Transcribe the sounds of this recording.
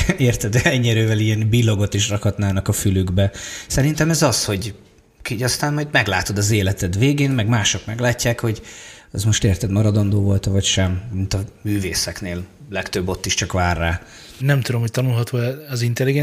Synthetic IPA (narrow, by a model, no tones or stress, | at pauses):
eːrt̪ɛd̪ɛɛɲːiɛɾøːvɛliɛnbilːo̞ɡo̞t̪iʃrɒkhɒt̪naːnɒkɒfylyɡbɛsɛɾint̪ɛmɛzɒsho̞ɟ | kiɒst̪aːnmɒjd̪mɛɡlaːt̪o̞d̪ɒzeːlɛt̪ɛd̪veːɡeːnmɛɡmaːʃo̞kmɛɡlaːcːaːkho̞ɟɛzmo̞ʃt̪eːrt̪ɛd̪mɒɾɒd̪o̞nd̪oːvo̞lt̪ɒvɒcʃɛmmint̪ɒmyːveːsɛkneːl | lɛkt̪øbːo̞t̪ːiʃt͡ʃɒkvaːrːaː | nɛmt̪ud̪omhoc̚t̪ɒnulɦɒt̪oːɛɛzint̪ɛliɡɛ